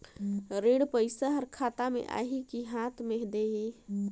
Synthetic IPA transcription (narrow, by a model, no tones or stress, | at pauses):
ɾeɽpəɪsaɦəɾkʰaːt̪amḛʔa̰ːɦikiɦat̪ʰmeɦd̪eɦi